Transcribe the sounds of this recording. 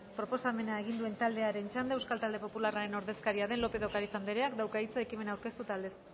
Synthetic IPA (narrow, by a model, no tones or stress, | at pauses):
pɾo̞po̞same̞naeɣind̪ue̞nt̪ald̪eaɾe̞nt͡ʃand̪eewskalt̪ald̪e̞po̞pularaɾe̞no̞ɾðe̞skaɾiaðe̞nlo̞pe̞ðo̞kaɾifand̪eɾeakd̪awkait͡saekime̞nawɾke̞st̪ut̪ald̪e̞s